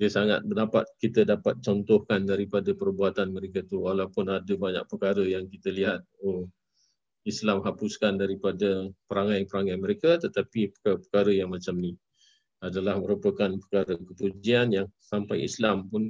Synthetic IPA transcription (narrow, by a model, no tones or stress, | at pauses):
diəsaŋa̰t̪̚bənapa̰t̪̚kit̪ədapat̪̚t͡ʃɔnt̪ɔhkandaɾipadəpərbuat̪anməɾekat̪uwalawpʊnadəbaɲa̰k̚pəkaɾəjaŋkit̪əliɦat̪̚o | islamɦapuskandaɾipadəpəɾaŋajpəɾaŋajməɾekat̪ət̪apipəkapə̥kaɾəjaŋmat͡ʃamni | adalahməɾupəkanpəkaɾəkəpud͡ʒianjaŋsampajḭslampʊn